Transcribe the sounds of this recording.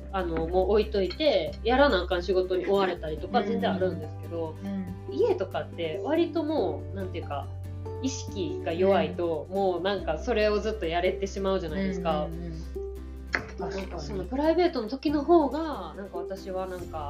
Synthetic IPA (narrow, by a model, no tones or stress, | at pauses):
ano̞mo̞ːit̪o̞it̪e̞jaɾanakãnɕiɡo̞t̪o̞ɲ̟iʔo̞βaɾe̞t̪aɾʲit̪o̞kaβzẽ̞nd͡zẽ̞aɾɯ̟̃nd̪e̞sɨ̥ke̞d̪o̞ | ie̞t̪o̞kat̪ːe̞β̞aɾʲit̪o̞mo̞ːnãnt̪e̞jɯ̟ka̰ | iɕi̥kʲiɡ̥ajo̞βait̪o̞mo̞ːnãŋkaso̞ɾe̞o̞zɨt̪ːo̞jaɾe̞t̪e̞ɕimaɯ̟ʑanaid̪e̞sɨ̥ka | t̪anãŋkaso̞nːo̞pɯ̟ɾaibe̞ːt̪o̞not̪o̞kʲino̞ɦo̞ːɡanãŋkaβat̪aɕiβanãŋka